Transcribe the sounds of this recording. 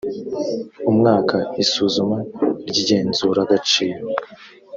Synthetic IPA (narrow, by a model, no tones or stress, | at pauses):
umŋaːkaisuːzumaɾɟiɟe̞ːnzuːɾaɡat͡ʃiːɾo